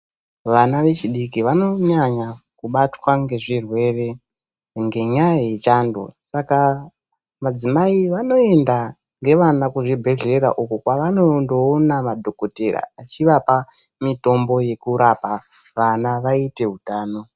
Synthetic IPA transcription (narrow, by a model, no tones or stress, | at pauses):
ʋanaʋe̞t͡ʃiɗikiʋano̞ɲaɲakuɓatwaŋɡe̞ʐirwe̞re̞ | ŋɡe̞ɲaaet͡ʃando̰saka | mad͡zimaiʋano̞e̞nda | ŋɡe̞ʋanakuʐibʱe̞ɮe̞ɾa̰ʔukukwaʋano̞ndo̞ːnamadʱo̞ko̞teɾa̰at͡ʃiʋapa | mito̞mbo̞je̞kuɾapa | ʋanaʋaite̞ɦutaːno̞